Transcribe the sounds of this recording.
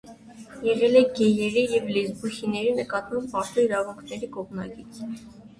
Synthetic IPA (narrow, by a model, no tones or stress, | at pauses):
jɛʁɛlɛɡɛjɛɾijɛvlɛzbuxinɛɾinəkɑt̪̚mɑmbmɑɾt̪ʰuiɾɑvuŋkʰnɛɾikɔʁmnɑkit͡sʰ